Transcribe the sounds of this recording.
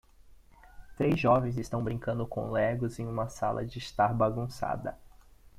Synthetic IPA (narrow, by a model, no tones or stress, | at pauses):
t̪ɾejzʒɔvẽj̃zɪst̪ɐ̃w̃bɾĩŋkɐ̃nd̪ʊkõ̰lɛɡʊzẽj̃ũmɐsa̰lɐ̰d͡ʒɪst̪aɾbaɡũsa̰d̪ɐ